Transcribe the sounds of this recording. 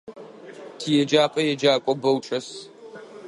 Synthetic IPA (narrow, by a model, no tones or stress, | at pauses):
tʰijɛd͡ʒaːpʼɐjɛd͡ʒaːkʷʼɔbɐwʈ͡ʂʼɐs